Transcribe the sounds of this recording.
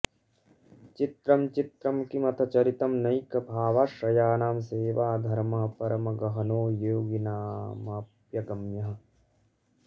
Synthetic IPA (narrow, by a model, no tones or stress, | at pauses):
t͡ʃit̪ɾɐmt͡ʃit̪ɾɐmkimɐt̪ʰɐt͡ʃɐɾit̪ɐmnɐjkɐbʱaːʋaːʃɾɐjaːnaːmseːʋaːd̪ʱɐɾmɐɦɐpɐɾɐmɐɡɐɦɐnoːjoːɡinaːmɐpjɐɡɐmjɐɦɐ̆